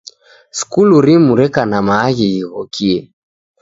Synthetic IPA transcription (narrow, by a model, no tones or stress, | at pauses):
skuluɾimuɾɛkanamaːɣiiɣɔkʰiɛ